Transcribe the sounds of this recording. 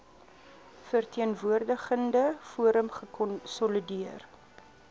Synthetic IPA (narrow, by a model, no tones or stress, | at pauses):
fərtʰiənvuərdəχəndəfuəɾəmχəkɔnsɔlidiər